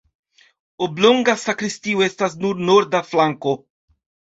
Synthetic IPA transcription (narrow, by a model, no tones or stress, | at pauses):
obloŋɡasakɾistioestas̬nuɾnoɾd̪aflaŋko